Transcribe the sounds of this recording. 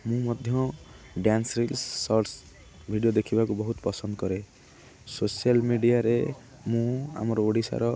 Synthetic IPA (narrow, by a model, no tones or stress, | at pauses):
mũmɔd̪ʱjɔ | ɖjansɾilsːɔɾs | bʱiɖijod̪ekʰibakubɔɦut̪pɔsɔnd̪ɔkɔɾe | sosijalmiɖijaɾe | mũa̰mɔɾɔoɽisa̰ɾɔ